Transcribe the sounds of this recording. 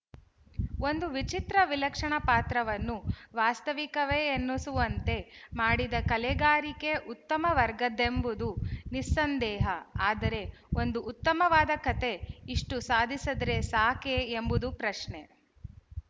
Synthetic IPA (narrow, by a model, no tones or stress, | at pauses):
o̞nd̪uʋit͡ʃit̪ɾɐʋilɐkʂɐɳɐpaːt̪ɾɐʋɐnːuʋaːst̪ɐʋikɐʋeːnːusuʋɐnt̪e̞maːɽid̪ɐkɐleɡaːɾike̞ʔut̪ːɐmɐʋɐɾɡɐd̪embud̪unisːɐnd̪ɛːɦɐaːd̪ɐɾe̞o̞nd̪uʔːt̪ːɐmɐʋaːd̪ɐkɐt̪e̞iʂʈusaːd̪ʱisɐd̪ɐɾe̞saːkeːmbud̪upɾɐʂɳe̞